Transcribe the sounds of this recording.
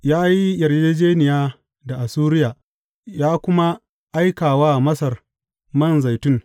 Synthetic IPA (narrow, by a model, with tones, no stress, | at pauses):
jaː˦ji˦jɐ˨rd͡ʒeː˦d͡ʒeː˦nɪ˨jaː˦ | da˨ʔa˨suː˦ɾɪ˦jaː˨ | jaː˦kʷʊ˦ma˦ | ʔa˦jkaː˨waː˦mɐ˦sɐ˨r | mɐ˦˨nza˨jtʊ˦ŋ